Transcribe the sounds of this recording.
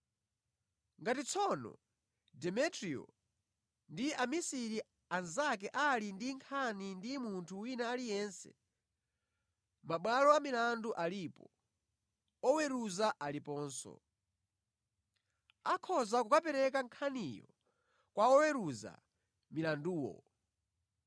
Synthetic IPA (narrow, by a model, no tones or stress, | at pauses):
ŋɡatit͡sʰɔnɔ̰ | dɛmɛtɾiɔ̰ | ndiamisiɾi | anzak̬ɛʔalindiŋkʰanindimuntʰuwinaːlijɛnsɛ̰ | maɓwalɔamilanduʔalipɔ | ɔwɛɾuzaʔalipɔːnsɔ̰ | akʰɔzakukapɛɾɛkaŋkʰanijɔ̰ | kwaɔwɛɾuza̰ | milanduːwɔ̰